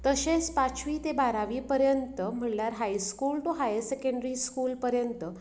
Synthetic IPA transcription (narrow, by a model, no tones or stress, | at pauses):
t̪əɕespat͡sʋiːt̪ebaɾaʋiːpəɾjənt̪əm̤əɳljaɾɦajskuːlʈ̪oɦajsekəɳɖɾiskuːlpəɾjənt̪ə